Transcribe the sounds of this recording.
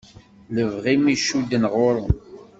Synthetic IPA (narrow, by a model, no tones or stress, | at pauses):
ləvʁimiʃud̪ːənʁʊɾʊn